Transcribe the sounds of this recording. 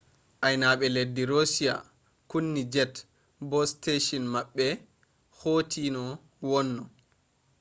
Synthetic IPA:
ʔajnaɓɛledːiɾosija̰ | kunːid͡ʒɛt | bɔsteʃɔnmaɓːɛ | hoːtʰinɔ | wɔnːɔ

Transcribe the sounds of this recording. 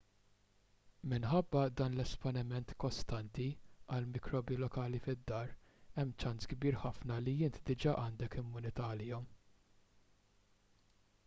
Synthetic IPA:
mɪnħɐbːɐd̪ɐːnlɛspɔnɪmɛnt̪kɔst̪ɐnt̪iɐlmɪkɾɔːbjilɔkɐːlifɪd̪ːɐːɾɛmːt͡ʃɐnsɡbiːɾħɐfnɐlijɪnt̪d̪ɪd͡ʒɐʔɐːnd̪ɛkɪmːʊnɪt̪ɐːlɪːɔm

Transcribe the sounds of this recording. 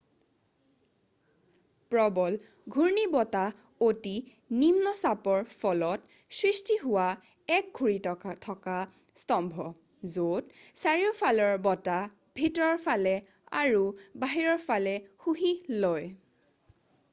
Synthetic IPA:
pɹɔbɔl | ɡʱuɹnibɔta | oti | nimnɔsapɔɹpʰɔlɔt | sɹistiɦʊwa | ɛk̚ɡʱuɹitɔtʰɔka | stɔmbʱɔ | zotsaɹiɔpʰalɔɹbɔta | bʱitɔɹɔɹpʰalɛ | a̰ɹubaɦiɹɔɹpʰalɛxuɦiloj

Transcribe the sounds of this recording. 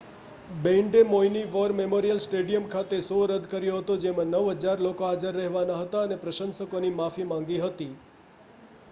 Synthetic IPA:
bẽɳɖemoiniʋəɾmemoɾijəlsʈeɖijəmkʰat̪esoɾəd̪ʱkəɾjoɦət̪od͡ʒemãnəʋɦəd͡ʒaɾlokoɦad͡ʒəɾːəɦʋanaɦət̪aənepɾəʃənsəkonimafimãŋɡiɦət̪i

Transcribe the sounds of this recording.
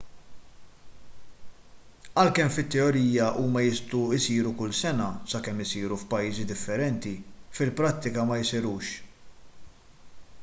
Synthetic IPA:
ɐlkɛmfɪt̪ːɛɔɾiːjɐʔuːmɐjɪst̪uɪsiːɾukʊlːsɛnɐsɐkɛmːɪsiːɾufpɐjːiːzid̪ɪfːɛɾɛnt̪ifɪlpɾɐt̪ːɪkɐmɐjɪsɪɾuːʃ

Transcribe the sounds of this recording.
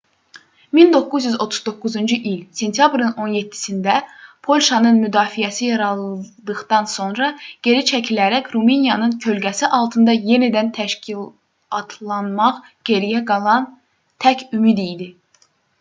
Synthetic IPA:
mind̪o̞kːuzjyzo̞t̪ʰu̥zd̪o̞kːuzund͡ʒɯʔilse̞nt̪ʰjɑbɾɯno̞nje̞t̪ʰːi̥sind̪æpʰo̞lʲʃɑnɯnmyd̪ɑːfijæsijɑɾɑlˠd̪ɯɣd̪ɑnso̞nɾɑɟ̥e̞ɾit͡ʃʰæcʰilæɾæcɾuminjɑnɯncʰø̞lɟæsiʔɑlˠt̪ʰɯnd̪ɑje̞nid̪ænt̪ʰæʃcil | ɑt̪ʰlˠɑnmɑʁ | ɟ̥e̞ɾijæɡɑlˠɑn | t̪ʰæcʰymid̪ijd̪i

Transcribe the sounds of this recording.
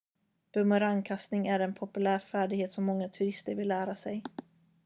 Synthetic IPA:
b̥ɵmœɾankʰast̪nɪŋæɾɛnpʰɔpɵlæːɾfæːɖɪɡheːt̪sɔmːɔŋːat̪ʰɵɾɪst̪əɾvɪlːæːɾasɛj

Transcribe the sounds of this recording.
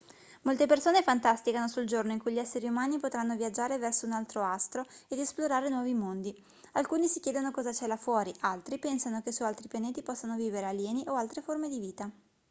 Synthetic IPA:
molt̪epersoːnefant̪ast̪ikanosuld͡ʒornoiŋkujʎiɛsːeɾiumaːnipot̪ɾanːoviad͡ʒːaːɾevɛrsounalt̪ɾoast̪ɾoed̪esploɾaːɾenwɔːvimond̪i | alkuːnisikjɛːd̪onokɔːzat͡ʃɛːlafwɔːɾiʔalt̪ɾipɛnsanokesualt̪ɾipjaneːt̪ipɔsːanoviːveɾealjɛːniʔoalt̪ɾeformed̪iviːt̪a

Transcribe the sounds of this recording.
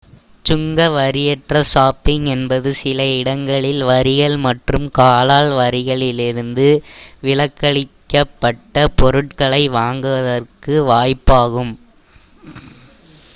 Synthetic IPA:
t͡ʃʊŋɡɐʋɐɾɪjɛʈrɐsaːpɪŋɛnbɐðɯsɪlɐɪɽɐŋɡɐɭɪlʋɐɾɪɣɐɭmɐʈrɯmkaːlaːɭʋɐɾɪɣɐɭɪlɪɾɯnd̪ɯʋɪlɐkːɐɭɪkːɐpːɐʈːɐpɔɾɯʈ̚kɐɭɐɪʋaːŋɡɯʋɐðɐrkɯʋaːjpːaːɣɯm

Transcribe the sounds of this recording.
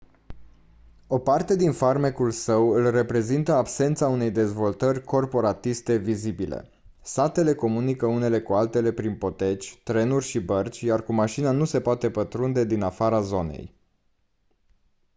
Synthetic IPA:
o̞part̪e̞d̪infarmekulsəwɨlre̞pɾe̞zint̪əabse̞nt̪saune̞jd̪e̞zvo̞lt̪ərʲko̞rpo̞ɾat̪ist̪e̞vizibilḛ | sat̪e̞le̞ko̞munikəune̞le̞kualt̪e̞le̞pɾinpo̞t̪e̞t͡ʃʲt̪ɾe̞nurʲʃibərt͡ʃʲjarkumaʃinanuse̞poat̪e̞pət̪ɾund̪e̞d̪inafaɾazo̞ne̞̰j

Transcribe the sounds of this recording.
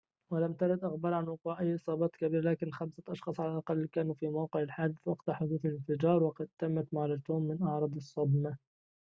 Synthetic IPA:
wɪlamt̪aɾɪd̪ʔaɣbɑɾˤʕanwʊquːʕʔajːʔɨsˤɑːbɑːt̪kabiːɾalaːkɪnxamsaʔɑʃxɑːsˤʕalalʔɑqɑlːkaːnuːfiːmawqɪʕɪlħaːd̪ɪθwɑqt̪aħʊd̪uːθalɪnfɪd͡ʒɑːɾˤwɑqɑd̪̚t̪amːat̪maʕlat̪uːmːɪnʔɑʕɾˤɑːd̪ˤɑsˤːɑbma

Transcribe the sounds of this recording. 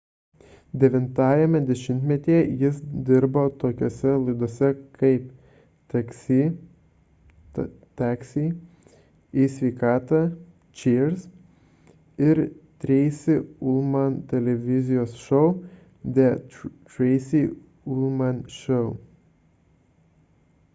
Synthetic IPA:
d̪ʲɛʋʲɪnt̪ɑːjɛmʲɛd̪ʲɛʃʲɪnʲt̪ʲmʲɛt̪ʲiɛjɪsd̪ʲɪɾboːt̪oːkʲoːsʲɛlˠɐɪd̪oɔsʲɛkɐɪp | t̪ɐksʲi | t̪ɑːksʲi | isʲʋʲɛɪkɑːt̪ɑ | t͡ʃʲiːɾs | ɪɾt̪ʲɾʲɛɪsʲɪʊlˠmɐnt̪ʲɛlʲɛʋʲɪzʲɪjoːsʃɔʊ | d̪ʲɛt͡ʃɾɛɪsʲiː | ʊlˠmɐnʃɔʊ

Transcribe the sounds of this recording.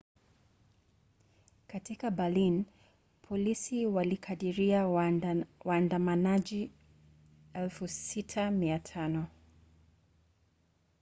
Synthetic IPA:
katikabalin | pʰɔlisiwalikʰaɗiɾia | waːndamanad͡ʒi | ɛlfusitʰamiatʰanɔ

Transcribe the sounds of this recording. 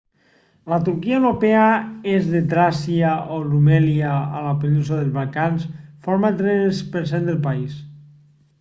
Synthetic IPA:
lat̪uɾkiaewɾopeaezðet̪ɾasiaolumɛlia̰ːlapelusoðelˠzβalkansfoɾmat̪ɾespəɾs̬end̪elˠpais

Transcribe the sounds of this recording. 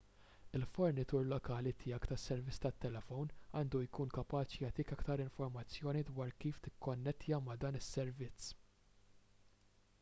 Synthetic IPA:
ɪlfɔɾnɪt̪uːɾlɔkɐːlit̪ʰɪjɐkt̪ɐsːɛɾvɪt͡sːt̪ɐt̪ːɛlɛfɔwnɐːnd̪ujkuːnkɐpɐːt͡ʃjɐt̪iːkɐkt̪ɐɾɪɱfɔɾmɐt͡sːjɔːnid̪wɐːɾkiːft̪ɪkːɔnːɛt̪ːjɐmɐd̪ɐːnɪsːɛɾvɪt͡sː

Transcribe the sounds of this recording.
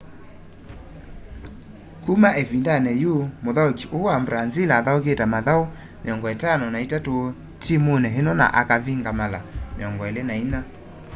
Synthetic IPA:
kumaʔevindanɛjomoðaokiʔoambɾanzilaːðaoketamaðao | meɔŋɡɔetanɔnaitato | timonɛɦenɔna̰ʔakaviŋɡamalameɔŋɡɔelenaina

